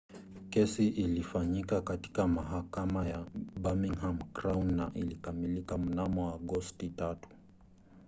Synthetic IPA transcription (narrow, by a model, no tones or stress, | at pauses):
kɛsiʔilifaɲikakati̥kamaɦakamajaɓamiŋhamkɾaunːaʔilikamilikam̩namɔaɠɔstitatu̥